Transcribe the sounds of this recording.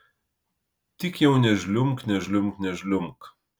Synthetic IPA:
t̪ʲɪkjɛʊnʲɛʒʲlʲʊŋknʲɛʒʲlʲʊmknʲɛʒʲlʲʊmk

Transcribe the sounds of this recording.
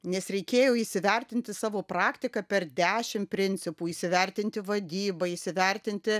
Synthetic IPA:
nʲɛsɾʲɛɪkʲeːjoːiːsʲɪʋʲɛɾʲt̪ʲɪnʲt̪ʲɪsɑːʋoːpɾɑːkt̪ʲɪkɐpʲɛrd̪ʲæːʃʲɪmpʲɾʲɪnʲsʲɪpuːiːsʲɪʋʲɛɾʲt̪ʲɪnʲt̪ʲɪʋɐd̪ʲiːbɐiːsʲɪʋʲɛɾʲt̪ʲɪnʲt̪ʲɪ

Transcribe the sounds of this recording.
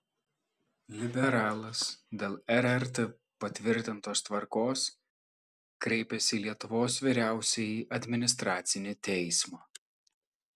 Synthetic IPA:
lʲɪbʲɛɾɑːlˠɐsd̪ʲeːlˠɛɾɛɾʲt̪ʲe | pɐt̪ʲʋʲɪɾʲt̪ʲɪnt̪oːst̪ʋɐɾkoːs | kɾʲɛɪpʲɛsʲiːlʲiɛt̪ʊʋoːs̬ʋʲiːɾʲæˑʊsʲɛiːʔɐd̪ʲmʲɪnʲɪs̬t̪ɾɑːt̪sʲɪnʲɪt̪ʲɛɪsmɑː

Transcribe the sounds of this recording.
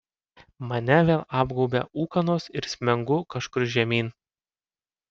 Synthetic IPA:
mɐnʲɛʋʲeːlˠɑːbɡɔʊbʲɛ̰uːkɐnoːsɪɾsʲmʲɛŋɡʊkɐʃkʊɾʒʲɛmʲiːn

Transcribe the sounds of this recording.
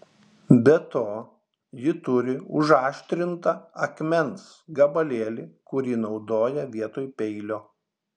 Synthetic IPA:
bʲɛt̪oː | jɪt̪ʊɾʲɪʊ̰ʒɑːʃʲt̪ʲɾʲɪnt̪ɐɐkmʲɛnsɡɐbɐlʲeːlʲɪkʊɾʲiːnɒʊd̪oːjɛʋʲiɛt̪oːjpʲɛɪlʲoː

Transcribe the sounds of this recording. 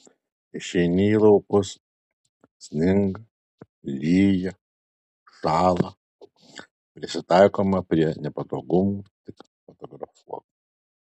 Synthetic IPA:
ɪʃʲɛɪnʲiːlˠɐʊpʊs | sʲnʲɪŋɡɐ | lʲiːjɛ | ʃɑːlˠɐ | pʲɾʲɪsʲɪt̪ɑˑɪkoːmɐpʲɾʲiɛnʲɛpɐt̪oːɡʊmuːt̪ʲɪk | fɔt̪ɔɡɾɐfuɔku

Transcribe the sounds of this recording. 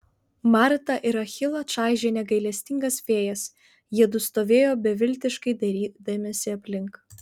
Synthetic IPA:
mɑˑɾt̪ɐʔɪɾɐxʲɪlˠot͡ʃɑˑɪʒʲeːnʲɛɡɐɪlʲɛsʲt̪ʲɪŋɡɐsfʲeːjɛs | jiɛd̪ʊst̪oːʋʲeːjoːbʲɛʋʲɪlʲt̪ʲɪʃkɐɪd̪ɐɾʲiːd̪ɐmʲeːsʲɪɐpʲlʲɪŋk

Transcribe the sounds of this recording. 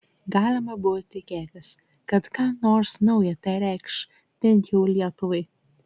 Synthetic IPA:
ɡɑːlʲɪmɐbʊʋot̪ʲɪkʲeːt̪ʲɪs | kɐt̪kɑːnoːɾsnɐʊjɛt̪ɐɾʲæɪkʃ | pʲɛŋʲkʲuːlʲiɛt̪ʊʋɐɪ

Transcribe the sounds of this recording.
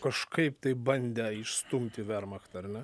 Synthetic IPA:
kɐʃkɐɪpt̪ɐɪbɐnʲd̪ʲɛɪʃst̪ʊmʲt̪ʲɪʋʲɛɾmɐkt̪ɐɐrnʲɛ

